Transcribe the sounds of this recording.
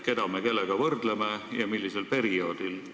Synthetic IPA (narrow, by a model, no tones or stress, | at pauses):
ke̞d̪̥ɑmeke̞lːeɡ̥ɑvɤrd̪̥lemejɑmilːise̞lpe̞ɾio̞ːd̪̥il